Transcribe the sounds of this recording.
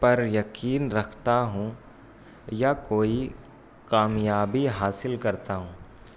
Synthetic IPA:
pɐɾjɐkiːnɾɐkʰt̪aɦũ | jakoːi | kaːmjaːbiɦaːsɪlkɐɾt̪aɦũː

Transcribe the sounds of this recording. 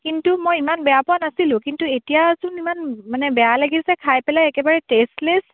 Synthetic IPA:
kintumojimanbɛjapɔanasilʊ̃kintuetijazʊnimanmanɛbɛjalaɡisɛkʰajpɛlajɛkɛbaɹɛtestles

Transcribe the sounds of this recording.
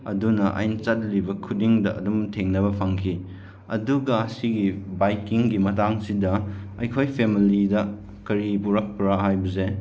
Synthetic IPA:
ɐ̰dunɐʔa̰jnt͡ʃɐt̚libɐkʰudiŋdɐʔɐ̰dumtʰeŋnɐβɐpʰaŋkʰi | ɐ̰duɡɐɐsiɡibajkiŋɡimɐtaŋsidɐɐjkʰojpʰemilidɐ | kɐɾipuɾɐk̚pɾaɦajbɐse

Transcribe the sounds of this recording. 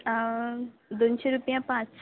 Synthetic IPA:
d̪onɕeɾupjãpãt͡ss

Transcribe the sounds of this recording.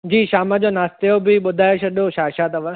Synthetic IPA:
d͡ʑiːʃaːməd͡ʑoːnaːst̪ejobɪɓʊd̪ʱaːjoʃɐɗoʃaːʃaːt̪ɐʋə

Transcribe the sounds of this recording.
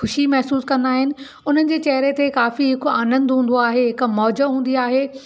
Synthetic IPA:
xʊʃimɛɦsuːskɐ̃nd̪aːɦɪnɪ̆ | ʊn̤ənɪ̆d͡ʑeːt͡ɕɐɦɾet̪ʰekaːfiɦɪkaːnə̃nd̪ɦũːn̆d̪oaːɦeɦɪkmɔːd͡ʑəɦũːn̆d̪iaːɦeː

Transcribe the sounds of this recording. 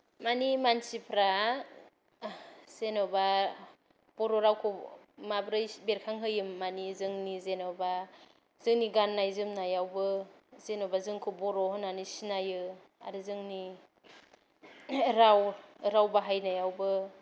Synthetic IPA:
manimansipʰɾa | z̥enɔba | b̥ɔɾɔɾawkʰomabɾɯjbeɾkʰaŋɦɯjɯmːanizɯŋnizenɔba | z̥ɯŋniɡanːajzɯmnajawbɯz̥enɔbazɯŋkʰɯbɔɾɔɦɯnanisinajɯ | a̰ɾɯzɯŋni | ɾawɾawbaɦajnajawbɯ

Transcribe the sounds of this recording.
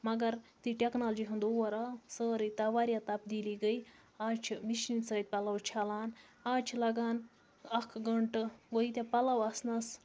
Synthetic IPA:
mɐɡɐɾt̪iʈʲeknaːld͡ʒiɦɨnd̪owɐɾasəːɾit̪ɐʋaːɾʲjat̪ɐp̚d̪iːliɡəi | aːt͡ʃʰmiʃinsəːt̪̚ʲpɐlɐwt͡ʃʰalaːn | aːt͡ʃʰlɐɡaːn | ɐkʰɡəɳʈɨɡoit̪ʲapɐlɐwɐsnɐs

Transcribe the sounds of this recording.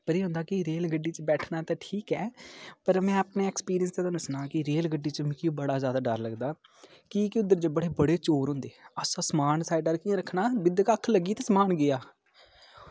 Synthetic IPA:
pəɾeːɦʊ̃nd̪aːkɪɾeːlɡəɖːiːt͡ʃəbɛːʈʰnaːt̪ãːʈʰiːkɛːpəɾmɛ̃ːaːpneːɛkspiːɾɪjənst̪eːt̪anʊsnaːkɪɾeːlɡəɖːiːt͡ʃəmɪkɪũːbəɽaːzjaːd̪aːɖəɾləɡd̪aː | kiːkɪʊd̪ːəɾd͡ʒəbəɽeːbəɽeːt͡ʃoːɾɦʊ̃nd̪eːəsãːsəmaːnsaːɪɖəɾkiãːɾəkʰːnaːbɪd̪kaːəkʰːləɡiːt̪ẽːsmaːnɡɪjaː

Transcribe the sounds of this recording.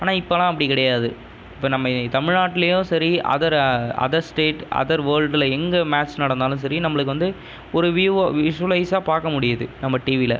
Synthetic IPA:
aːnaːɪpːɐlãːɐpːɐɽikɪɽɐjaːðɯ | ɪpːoːnɐmːɐt̪ɐmɪɻnaːʈːɪlɐjʊ̃sɐɾiɐ̰ðɐɾɐ̰ðɐsʈeːʈɐ̰ðɐɾʋɐːɾɖɪlɛŋɡɐmaːt͡ʃsnɐɽɐnd̪aːlɯ̃s̬ɐɾinɐmːɐɭɯkːɯʋɐnd̪ɯ | ɔɾɯʋɪʋɪʂʋɐlɐɪsaːpaːɾkɐmʊɽɪjɐðɯnɐmːɐʈiːʋɪlɐ̰

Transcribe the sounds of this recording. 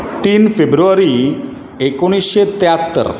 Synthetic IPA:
ʈ̪iːnfebɾuaɾi | ekoɽ̃isɕet̪eat̪ːə̰ɾ

